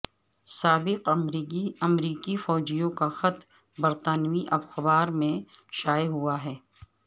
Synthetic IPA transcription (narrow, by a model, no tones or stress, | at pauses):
saːbɪq | ɐmɾiːkifɔːd͡ʒijõkaxɐt̪ | bɐɾt̪aːnʋiʔɐfxɐbaːɾmẽʃaːjeɦuaɦɛː